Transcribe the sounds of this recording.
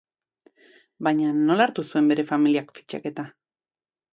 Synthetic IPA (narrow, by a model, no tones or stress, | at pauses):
bajɲano̞laɾt̪usue̞mbe̞ɾe̞familiakfit͡ʃa̰ke̞t̪a